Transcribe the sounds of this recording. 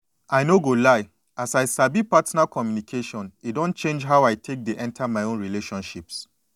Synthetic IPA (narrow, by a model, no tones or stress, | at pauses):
aɪnoɡolaɪ | ʔasaɪsabipatɔnakɔmjunikʰeʃɔ̃nitdɔ̃nt͡ʃẽnd͡ʒɦaʊaɪtʰek̚deʔɛ̃ntʰamaɪõnɹileʃɔ̃nʃips